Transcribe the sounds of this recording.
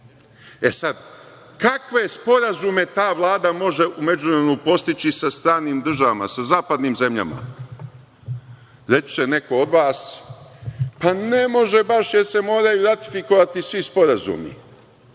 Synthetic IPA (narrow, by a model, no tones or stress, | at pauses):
e̞sad̪ | kakʋe̞spo̞ɾazume̞t̪aːʋlˠaːd̪amo̞ʒe̞ʔume̞d͡ʒunɾenupo̞st̪it͡ɕisast̪ɾaːniːmd̪r̩ʒaʋama̰sazaːpad̪niːmze̞mʎa̰ma̰ | ɾe̞t͡ʃt͡ʃene̞ko̞od̪ʋaːs | pane̞mo̞ʒe̞baʃjeɾse̞mo̞ːɾajuɾat̪ifiko̞ʋat̪isʋispo̞ɾazṵːmḭ